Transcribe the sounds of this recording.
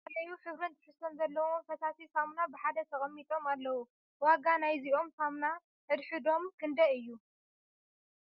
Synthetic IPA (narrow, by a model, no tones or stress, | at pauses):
ɐlɐjuħɨβɾɨnt̪ʰɨħɨstːonzɐlːɐwofɐsasisamnabɨħad̪ɐt̪ʰɐxʼɐmːit̪ʼo̞malːɐwu | waɡanajziʔo̞msamna | ʔɨd̪ħɨd̪o̞mkʰɨnd̪ɐɨjːu